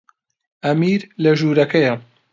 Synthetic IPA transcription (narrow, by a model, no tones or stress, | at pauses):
ʔɐmiːɾlɐʒuːɾɐkʰɐjɐ